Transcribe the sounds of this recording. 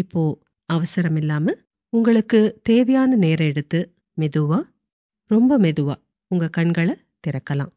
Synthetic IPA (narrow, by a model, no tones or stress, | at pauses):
ɪpːoː | ɐʋɐsɐɾɐmɪlːaːmɐ | ʊŋɡɐɭɯkːɯt̪eːʋɐjaːnɐneːɾɐɛɽɯt̪ːɯ | mɛðɯʋaː | ɾɔmbɐmɛðɯʋa̰ː | ʊŋɡɐkɐɳɡɐɭɐ | t̪ɪɾɐkːɐlã̰ː